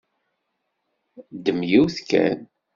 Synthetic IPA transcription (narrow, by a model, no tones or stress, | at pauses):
d̪əmjiwθkæ̰n